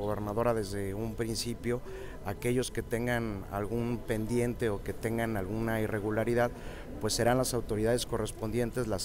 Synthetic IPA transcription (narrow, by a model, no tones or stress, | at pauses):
ɣoβe̞ɾnaðo̞ɾaðe̞zðe̞umpɾinsipjo̞ | ake̞ʝo̞ske̞t̪e̞ŋɡana̰lɣumpe̞nd̪je̞nt̪e̞o̞ke̞t̪e̞ŋɡanalɣunaire̞ɣulaɾiðað | pwe̞sːe̞ɾanlasawt̪o̞ɾiðað̞e̞sko̞re̞spo̞nd̪je̞nt̪e̞zlas